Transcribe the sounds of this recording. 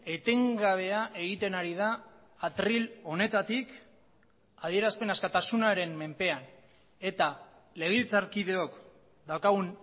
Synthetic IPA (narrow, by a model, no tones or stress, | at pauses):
e̞t̪e̞ŋɡaβ̞e̞aʔe̞ɣ̞it̪e̞naɾiðaː | t̪ɾilo̞ne̞t̪at̪ik | aðie̞ɾaspe̞naskat̪asunaɾe̞mme̞mpe̞an | e̞t̪a | le̞ɣ̞ilt͡saɾkiðe̞o̞k | d̪awkaɣun